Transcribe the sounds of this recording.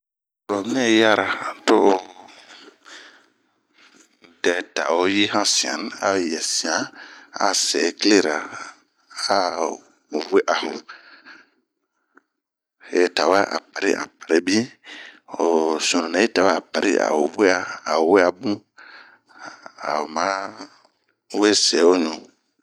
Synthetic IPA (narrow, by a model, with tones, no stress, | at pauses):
ɾo˨m˦nɛ˦ja˦ɾa˨to˦ʔ | dɛ˨ta˨o˦ji˦hã˦sĩ˨a̰˨n˦a̰˦˨jɛ˨sĩ˨ã˨a̰˦sɛ˨˦kle˦ɾa˨ | a˦˨ | we˦ʔa˨hʊ̃˨ | he˨ta˨wa˦ʔa̰˨pa˨ɾḭ˦ʔã̰˨pa˨ɾe˦bi˦ | o˨sõ˨nũ˨a˨˦i˦ta˨wa˦a˨pa˨ɾḭ˦ʔa̰˨o˨we˦a˦a˨we˦a˨bũ˦ | a̰˨o˨ma˨˦ | we˦sɛ˨˦o˦ɲũ˨